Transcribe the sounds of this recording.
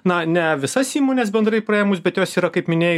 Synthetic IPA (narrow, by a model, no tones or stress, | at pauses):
nɐnʲɛʋʲɪsɐsiːmoːnʲɛs̬bʲɛnd̪ɾɐɪpɾɐjɛmʊsbʲɛt̪joːsiːɾɐkɐɪpmʲɪnʲeːj